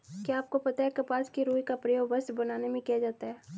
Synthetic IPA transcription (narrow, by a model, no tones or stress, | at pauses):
kiaːp̚kopɐt̪aɦɛkɐpaːskiɾuːikapɾɐjoːɡbɐsbɐnaːnemẽkiɦad͡ʒaːt̪aɦɛː